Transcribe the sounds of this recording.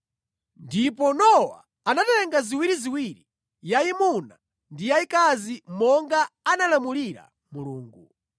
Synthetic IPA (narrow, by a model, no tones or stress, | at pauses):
ndip̬ɔnɔwa̰ | anatɛŋɡaziwiɾiziwiɾi | jaimuna | ndijaikazimɔŋɡaːnalamuliɾa̰ | muluːŋɡu